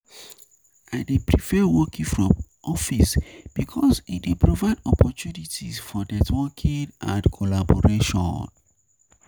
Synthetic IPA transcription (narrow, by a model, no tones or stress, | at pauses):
aɪdipʰɹifɛwɔkĩŋfɹɔ̃m | ɔfisb̥ikʰɔsit̚depʰɹovaɪdɔpʰɔtunitisfɔdɛtwɔkʰĩŋʔã̰nkʰɔlabɔɹeʃɔ̰̃nn